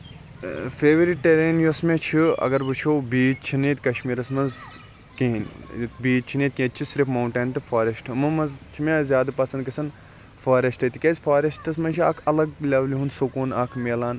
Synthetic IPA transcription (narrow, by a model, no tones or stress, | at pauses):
feːʋɾiʈʈeɾeːnjosmẽt͡ʃʰiɐ̰ɡɐɾbɨt͡ʃʰobiːd͡ʒt͡ʃʰiniːt̪ʲkɐʃmiːɾɐsmɐnz | kiːnbiːd͡ʒ̚t͡ʃʰiniːt̪̚kʲẽːt̪̚t͡ʃʰisiɾifmɐwɳʈeːnt̪ɨfaːɾʲɐsʈʰmɐmɐzt͡ʃʰimezjaːd̪ɐpɐsɐnd̪kɐsɐn | faːɾɐsʈɐt̪ikʲezʲfaːɾɐsʈɐsmɐnt͡ʃʰia̰ːkʰɐlɐɡlʲɐʋliɦunsukuːnaːkʰmeːlaːn